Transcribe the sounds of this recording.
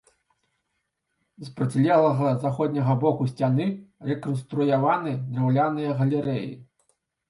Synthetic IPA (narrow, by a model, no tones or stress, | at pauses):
zpɾɐt͡sʲlʲɛlˠɐɣɐzaxɔd̪ʲnʲɐɣɐbɔkusʲt͡sʲanɨrɛkɔnst̪ɾujavanɨd̪rawlʲanɨjɐɣɐlʲɛɾɛjḭ